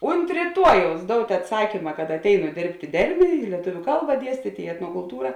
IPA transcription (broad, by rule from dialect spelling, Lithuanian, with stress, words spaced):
ʊnt rʲiːˈtuɔjɛʊs ˈdoːʊtʲ ɐtˈsɑːkʲiːmɐ kɐt ɐtʲˈɛɪnʊ ˈdʲeːrʲpʲtʲ ɪ ˈdʲɛrʲmʲeː ɪ lʲiɛˈtʊʋʲʊ ˈkɐlˠbɐ ˈdʲiɛsʲtʲiːtʲ ɪ ɛtnoːkʊlˠˈtuːrɐ